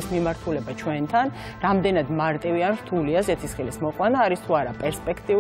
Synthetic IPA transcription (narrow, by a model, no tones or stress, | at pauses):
ismimaɾt̪ʰulɛbat͡ʃʰwɛnt̪ʰan | ɾamd̪ɛnad̪maɾt̪ʼivianɾt̪ʰuliazɛt̪ʰisχilismɔqʼwanaːɾist̪ʰuaɾapʼɛɾspʼɛkʰt̪ʼi